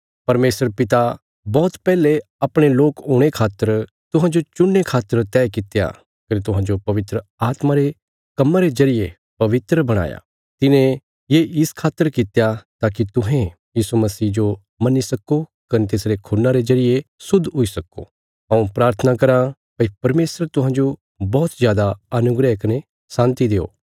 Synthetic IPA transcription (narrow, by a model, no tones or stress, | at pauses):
pɐɾmeːsəɾpɪt̪a | bɔːt̪pɛːle | ɐpɽ̃eloːkoːɽ̃ekʰaːt̪ːəɾ | t̪ʊɦãd͡ʒot͡ʃʊnːekʰaːt̪ːəɾt̪ɛːkɪt̪eja̰ | kɐnit̪ʊɦãd͡ʒopɐʋɪt̪ɾəaːt̪maɾe | kɐmːaɾezɐɾɪje | pɐʋɪt̪ɾəbɐɽ̃a̰ːja̰ | t̪ɪnẽ | jeɪskʰaːt̪ːəɾkɪt̪ejat̪aːk̬it̪ʊɦẽ | jiːsumɐsiːd͡ʒo | mɐnisɐko | kɐnet̪eːsɾekʰʊnːaɾezɐɾɪjesʊd̪ʱɦʊisɐko̰ | ɦɐ̃ũpɾaːɾt̪ʰənakɐɾa | pɐipɐɾmeːsəɾt̪ʊɦãːd͡ʒo | bɔːt̪zjaːd̪aɐnʊɡɾɛkɐnẽ | sãːnt̪id̪eːo̰ː